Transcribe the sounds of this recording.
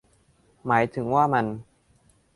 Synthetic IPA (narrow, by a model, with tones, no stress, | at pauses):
maː˩˦jt̪ʰɯ˩˦ŋwaː˥˩ma˧n